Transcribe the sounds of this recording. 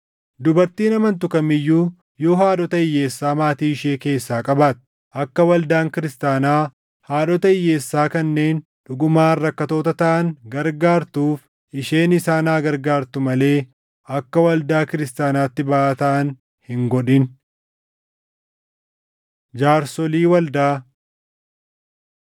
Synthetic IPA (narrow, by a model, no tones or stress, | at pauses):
d̪ʊbɐɾt̪iːnɐmɐnt̪ʊkɐmɪjːuː | jo̞ːɦaːᶑɔt̪ɐɪjːe̞ːsːaːmaːt̪iːɪʃeːke̞ːsːaːkʼɐbaːt̪̚ | ʔɐkːɐwɐld̪aːŋkɪɾɪst̪aːnaː | haːᶑɔt̪ɐɪjːe̞ːsːaːkɐnːe̞ːn | ᶑʊɡʊmaːrːɐkːɐt̪o̞ːt̪ɐt̪ɐʔɐnɡɐɾɡaːɾt̪uːf | ʔɪʃe̞ːnɪsaːnaːɡɐɾɡaːɾt̪ʊmɐle̞ː | ʔɐkːɐwɐld̪aːkɪɾɪst̪aːnaːt̪ːɪbɐʔaːt̪ɐʔɐn | hɪŋɡɔᶑɪn | d͡ʒaːɾsɔliːwɐld̪aː